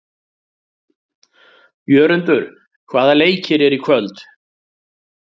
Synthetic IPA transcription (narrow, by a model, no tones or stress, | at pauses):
jœːɾʏnt̪ʏɾ̥ | kʰvaːðaleːjcʰɪɾɛɾikʰvœlt̪